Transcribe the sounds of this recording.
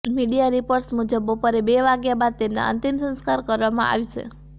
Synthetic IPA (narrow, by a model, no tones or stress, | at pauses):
miɖijaɾipoɾʈsmud͡ʒəbopəɾebeʋaɡjabad̪̚t̪emna̰ə̰̃nt̪imsə̃nskaɾkəɾʋamã̰ʔa̰ʋit͡ʃʰḛ